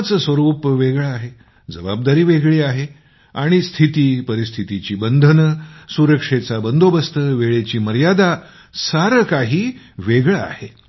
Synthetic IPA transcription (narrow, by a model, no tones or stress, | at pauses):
t͡səsʋəɾuːpʋeɡɭaːɦe | d͡zəbab̚d̪aɾiːʋeɡɭiːaɦe | aɽ̃ist̪ʰit̪iːpəɾist̪ʰit̪it͡ɕiːbənd̪ʱənəsuɾəkʂet͡sabənd̪ʱobəst̪əʋeɭet͡ɕiːməɾjad̪a | saɾəkaɦiːʋeɡɭaa̰he